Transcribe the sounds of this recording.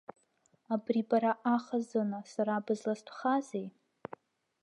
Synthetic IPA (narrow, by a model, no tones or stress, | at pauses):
abribaɾaʔaχazɨnasaɾaːbɨzlastʷʰχazej